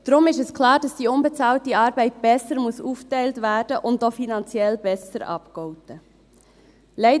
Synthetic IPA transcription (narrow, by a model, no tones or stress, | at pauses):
d̥ɾʊmɪʃɛskʰlɑːɾd̥ɑsd̥iːʊnbɛt͡sɑːltiɑːɾbɛɪt̚b̥ɛsəɾmuəsuːftæɪltvæːɾd̥əʔʊntːɔfinɑnt͡sjɛlbɛsəɾɑ̰pkɔʊtə | lɛɪ